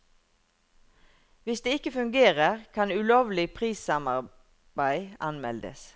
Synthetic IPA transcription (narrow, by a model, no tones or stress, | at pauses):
ʋɪsd̪eːɪkəfʉŋɡeːʁəʁkʰɑnʉloːʋlɪpʰʁiːsɑmɑʁ | bæɪɑnmɛ̰ld̪ə̰s